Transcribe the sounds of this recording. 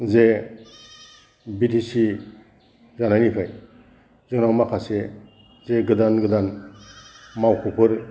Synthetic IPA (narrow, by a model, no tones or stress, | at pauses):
ze | bitisi | zanajnipʰaj | zɯŋnawmakʰase | zeɡɯdanɡɯdan | mawkʰupʰɯɾ